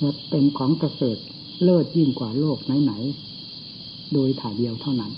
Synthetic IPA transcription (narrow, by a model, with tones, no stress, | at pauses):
la˧˩pe˧nkʰɔː˩˦ŋka˧sɤː˨˩t̪̚ | lɤː˥˩t̪̚ji˧˩ŋkwaː˨˩loː˥˩k̚na˨˦jna˩˦j | doː˧jt̪ʰaː˨˩di˧əwt̪ʰa˥˩wna˦˥˩n